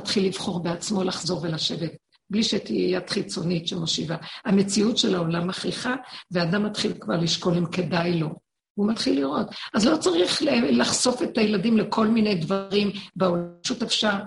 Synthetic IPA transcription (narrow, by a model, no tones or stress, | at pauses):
at̪χilːivχo̞ʁbeat͡smo̞laχzo̞ʁve̞laʃe̞vet̚ | bliʃet̪iejatχit͡so̞nitʃemo̞ʃivaame̞t͡siutʃelao̞lamaχiχaveaːdamːat̪χilkvaʁliʃko̞limke̞dajlo̞ | umatχilːiʁo̞tazlo̞t͡saʁiχlaχso̞fe̞tajeladimle̞kʰo̞lminejdvaʁimbeolʃutefʃaʁ